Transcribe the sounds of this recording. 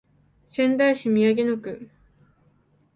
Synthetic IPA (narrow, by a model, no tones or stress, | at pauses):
sẽ̞nd̪aiɕimʲiaɡenokɯ̟